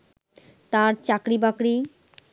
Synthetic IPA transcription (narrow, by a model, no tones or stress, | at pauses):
t̪aɾt͡ɕakɾibakɽi